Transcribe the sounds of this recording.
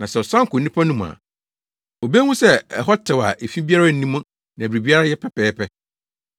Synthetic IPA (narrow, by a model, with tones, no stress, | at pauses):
nã˨sɛ˨ɔ˨sã˦ŋ˨kʊ˨nĩ˦pʰa˦nʊ̃˦m̃˨a̰˨ | o˨be˦wʊ̃˦sɛ˦ɛ˨ɦɔ˦tʰɪ˨wa̰˨ʔe˨fĩ˦bi˦a˦ɾa˦n̩˦nĩ˦mʊ̃˦ | nã˨bɾi˨bi˦a˦ɾa˦jɛ˦pʰɛ˦pɛː˨˦pʰɛ˦